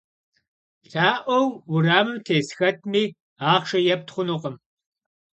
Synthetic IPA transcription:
ɬʰaːʔʷɔwwʊraːmɨmtʰeːsxɐt̚ʰmiː | aːχʂɐjɛp̚tχʷʊnʊqʼəm

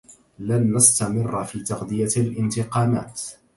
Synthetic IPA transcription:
lanːast̪amɪrːfiːt̪ɑqd̪ɪjaalʔɪnt̪ɪqɑːma̰ːt̪

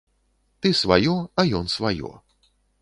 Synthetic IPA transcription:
t̪ɨsva̰jɔɐjɔnsvajɔ̰

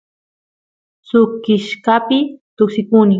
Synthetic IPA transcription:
sʊkɪʃkapɪt̪ʊksɪkunɪ

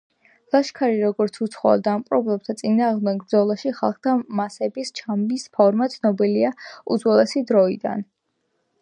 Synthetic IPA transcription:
lˠaʃkʰaɾiɾɔɡɔɾt̪sʰut̪sʰχɔa̰d̪aːmqʼɾɔblɛb̚t̪ʰat̪sʼinaːʁmd̪ɛɡbɾd̪zɔlˠaʃiχa̰lˠχt̪ʰamasɛbist͡ʃʰambispʰɔɾmat̪sʰnɔbiliaṵd̪zwɛlɛsid̪ɾɔid̪a̰n

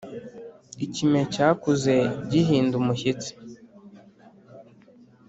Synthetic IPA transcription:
icime̞caːkuze̞ɟiɦiːndumuçit͡si̥

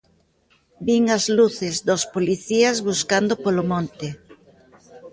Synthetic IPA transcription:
biŋazluθɪzðospoliθiazβuskand̪opolomõnt̪ɪ

